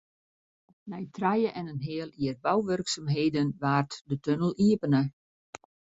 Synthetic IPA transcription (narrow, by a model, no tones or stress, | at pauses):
nɛjtʰrajəʔɛnənɦɪəlˠiərbawʋørksamɦeːdənʋaːrtdətønəlˠiəpənə